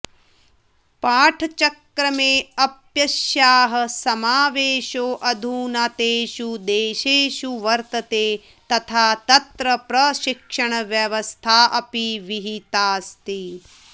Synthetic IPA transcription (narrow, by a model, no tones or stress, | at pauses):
paːʈʰɐt͡ʃɐkɾɐmeːɐpjɐʃjaːɦɐ̆sɐmaːʋeːʃoːʔɐd̪ʱuːnaːt̪eːʃud̪eːʃeːʃuʋɐɾt̪ɐt̪eː | t̪ɐt̪ʰaːt̪ɐt̪ɾɐpɾɐʃikʂɐɳ̃ɐʋjɐʋɐst̪ʰaːʔɐpiʋiɦit̪aːst̪i